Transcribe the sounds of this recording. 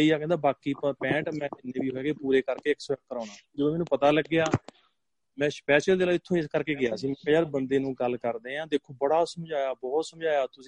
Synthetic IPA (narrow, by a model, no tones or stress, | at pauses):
iːaːkɛ̃ːnd̪aːbaːkiːpɛ̃ːʈmɛ̃ːɪnːeːʋiːɦoːɛːɡeːpuːɾeːkəɾkeːɪksɛːkkːəɾɔ̃ːnãːd͡ʒəd̪õːmɛːnũːpət̪aːləɡːeaː | mɛ̃ːspɛːʃəld̪eːlaːɪt̪ʰːõːɪskəɾkeːɡɪaːsiːmɛ̃ːkːjaːɾbənd̪eːnũːɡəlkəɾd̪eːãːd̪eːkʰːoːbəɽaːsəmd͡ʒaːjaːbɔːt̪səmd͡ʒaːjaːt̪ʊsĩ